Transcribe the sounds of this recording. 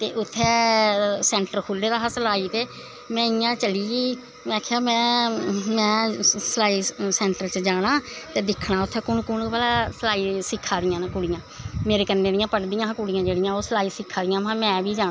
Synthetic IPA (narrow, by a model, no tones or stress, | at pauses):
t̪eːʔʊt̪ʰːɛːsɛ̃ːɳʈəɾkʰʊːlːeːd̪aːɦasəlaːiːt̪eː | mɛ̃ːɪjãːt͡ʃəliːɡiː | mɛ̃kʰːeaːmɛ̃ːmɛ̃ːsəlaːiːsɛ̃ːɳʈəɾt͡ʃəd͡ʒaːɽ̃ãːt̪eːd̪ɪkʰːɽaːʊt̪ʰːɛːkʊɳkʊɳbəlaːsəlaːiːsɪkʰːaːd̪ɪjãːnakʊɽɪjãːmeːɾeːkənːeːd̪ɪjãːpəʈd̪ɪjãːkʊɽɪjãːd͡ʒeːɽɪjãːoːsəlaːiːsɪkʰːaːd̪ɪjãːɦãːmɛ̃ːʋiːd͡ʒaː